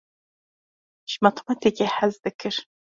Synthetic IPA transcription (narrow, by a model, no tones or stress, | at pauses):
ʃmɐt̪ʰmɐtʰekʲʼeħazdɨkʰɨr